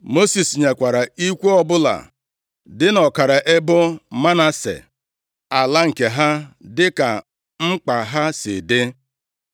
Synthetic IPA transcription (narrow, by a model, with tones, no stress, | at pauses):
mo˦si˨sɲe˨kʷa˨ɾa˨i˦kʷu˦ɔ˦bʊ˦la̰˨ | dɪ˦nɔ˨ka˨ɾa˨ʔe˦bʊ˦ma˦na˦sḛ˨ | a˨la˦ŋ̩˨ke˨ɦa˦dɪ˦ka˨ | ŋ͡m̩˦k͡pa˨ɦa˦sɪ̰˨dɪ˦